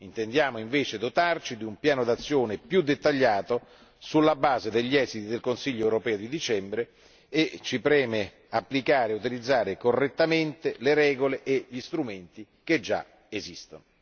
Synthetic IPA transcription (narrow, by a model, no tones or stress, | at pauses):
int̪end̪jaːmoiɱveːt͡ʃed̪ot̪art͡ʃid̪iumpjaːnod̪at̪sːjoːnepjud̪ːet̪ːaʎːaːt̪o | sulːabaːzed̪eʎːɛːzit̪id̪elkonsiʎːoɛwɾopɛːod̪id̪it͡ʃɛmbɾeː | t͡ʃːipɾɛːme | apːlikaːɾeut̪ilid̪zːaːɾekorːet̪ːament̪eleɾɛːɡoleʔeʎist̪ɾument̪i | k̟ed͡ʒːa̰ | ezist̪ono